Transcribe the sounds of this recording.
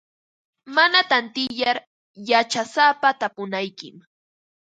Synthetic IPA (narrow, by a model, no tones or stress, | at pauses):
manat̪ant̪ɪjaɾ | jat͡ʃasaːpat̪apʊnajkɪ̰m